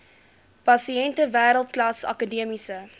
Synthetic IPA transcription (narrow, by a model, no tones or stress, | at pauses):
pɐsiɛntəvæːɾəlˠtklɐsɐ̰kədiəmisə